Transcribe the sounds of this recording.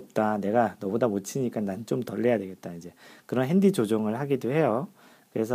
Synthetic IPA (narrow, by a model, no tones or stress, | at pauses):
p̚t͈ane̞ɡanʌmodamot͡ɕʰiɲik͈anant͡ɕ͈omtʌʎːejadwe̞ɡe̞t̚t͈aid͡ʑe̞kɯɾʌnɦendit͡ɕod͡ʑoŋɯɭɦaɡidohe̞jo | kɯɾe̞s̬ʰʌ